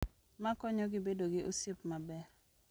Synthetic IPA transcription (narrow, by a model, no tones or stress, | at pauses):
makɔɲɔɡɪbedoɡɪʔosipmabɛr